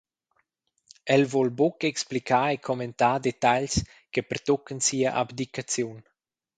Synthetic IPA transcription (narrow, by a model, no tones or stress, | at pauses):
ɛlvɔlbɔkɛksplikaːekʰɔment̪aːd̪et̪aʎs | kepərt̪ɔkənsiəʔa̰bd̪ikat͡sjun